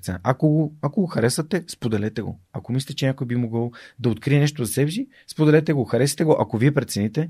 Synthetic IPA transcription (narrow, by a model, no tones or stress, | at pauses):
t̪sɛn̰ʔakoɡoakoɡoxɐɾɛsət̪ɛspod̪ɛlɛt̪ɛɡo̰akomislʲit̪ʲt͡ʃɛnʲakojbimoɡəlˠd̪ɐot̪̚kɾiɛnɛʃt̪ozɐsɛbʃi | spod̪ɛlɛt̪ɛɡoxɐɾɛsi̥t̪ɛɡoʔakoviɛpɾɛt̪sɛnit̪ɛ